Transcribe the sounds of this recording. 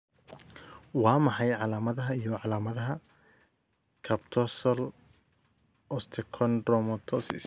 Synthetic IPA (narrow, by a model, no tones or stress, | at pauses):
wɑːmɑħɑjʕɑlaːmɐðɐɦɐijɔʕɑlaːmɐðɐɦɐ | kʰɐbt̪ʰɔsɐl | ɔst̪ʰɛkʰɔndrɔmɔt̪ʰɔsɪ̰s